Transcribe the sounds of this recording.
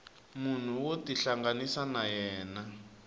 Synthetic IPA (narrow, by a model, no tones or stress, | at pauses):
mun̤uwotiɬaŋɡanisanajɛːna